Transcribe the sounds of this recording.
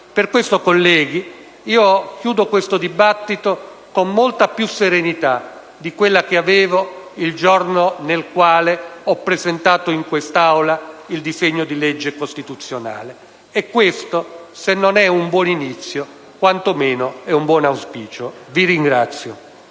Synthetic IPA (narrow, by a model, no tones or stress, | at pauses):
perkwest̪okolːɛːɡi | iːok̟juːd̪okwest̪od̪ibat̪ːit̪o | komːolt̪apjuseɾenit̪a | d̪ikwelːak̟eaveːvoild͡ʒɔrnonelkwaːleɔpːɾezent̪aːt̪oiŋkwest̪awlaild̪izeɲːod̪ilɛd͡ʒːekost̪it̪ut̪sːjona̰ːle | ɛkːwest̪osenːonɛumbwɔninit̪sːjo | kwant̪omeːnoɛumbwɔnawspiːt͡ʃoviɾiŋɡɾat̪sːjo